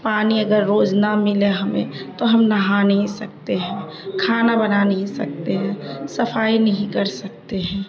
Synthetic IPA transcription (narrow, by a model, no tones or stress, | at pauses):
paːniɐɡəɾːoːd͡ʒnamɪleɦɐmḛ̃t̪oɦɐmnɐɦanɐɦĩsɐk̚t̪eɦɛ̃ː | kʰaːnabɐnanəɦĩsɐk̚t̪eɦɛ̃ːsɐpʰaːinɐɦĩkɐɾsɐk̚t̪eɦɛ̃ː